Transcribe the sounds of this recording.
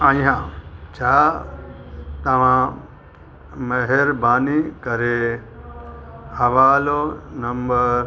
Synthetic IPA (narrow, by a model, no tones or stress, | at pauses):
ãːĩɦãt͡ʃʰaː | t̪ɐʋ̤ã | mɐɦeɾbaːnikɐɾe | hɐʋaːlonɐmbəɾ